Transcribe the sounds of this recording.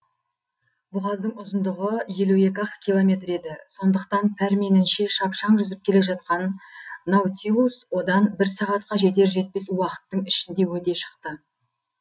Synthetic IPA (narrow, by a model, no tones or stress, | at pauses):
bʊʁɑzˠd̪əɴʊzənd̪ʊʁəje̞lue̞kʲɑqkʲʰilˠomʲe̞t̪ɾe̞d̪ɪso̞nd̪əqt̪ɑnpʰæɾme̞nɪnʃe̞ʃɑpʃɑɴʒʏzɪp̚kʲʰe̞le̞ʒɑt̪̚qɑnːɑwt̪ʲiuswo̞d̪ɑnbɪɾsɑʁɑt̪qɑʒe̞t̪e̞ɾʒe̞t̪̚pe̞swɑqə̥t̪ːəɴɪʃɪnd̪e̞wɵt̪e̞ʃə̥qt̪ə